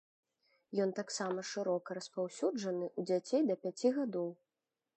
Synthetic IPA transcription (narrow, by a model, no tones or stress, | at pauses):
jɔnt̪aksamɐʂɨɾɔkɐɾɐspawsʲud͡ʐɐnɨʔud͡zʲat͡sʲejd̪ɐpʲat͡sʲiɣad̪ɔw